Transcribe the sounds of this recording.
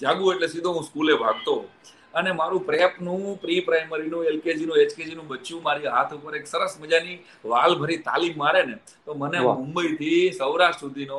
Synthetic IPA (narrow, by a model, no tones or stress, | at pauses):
d͡ʒaɡũeʈlesid̪ʱoɦũskulebʱaɡ̚t̪o | ənemaɾũpɾepnũpɾipɾajməɾinũelked͡ʒinũet͡ʃked͡ʒinũbəːt͡ʃũmaɾiɦat̪ʰupəɾeksəɾəsməd͡ʒani | ʋalbʱəɾit̪a̰limːaɾene | t̪omənemʊmbəit̪ʰisəwɾaʃʈsud̪ʱino